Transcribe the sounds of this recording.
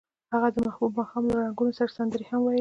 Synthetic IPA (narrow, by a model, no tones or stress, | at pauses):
haɣad̪əmahbubmɑxɑmlaɾaŋɡunosaɾasand̪əɾehamwɑj